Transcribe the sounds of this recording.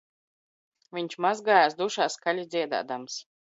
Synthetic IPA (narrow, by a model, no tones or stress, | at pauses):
vʲiɲʲt͡ʃmazɡaːjaːs̬d̪uʃaːskalʲid̪zʲiɛd̪a̰ːd̪ams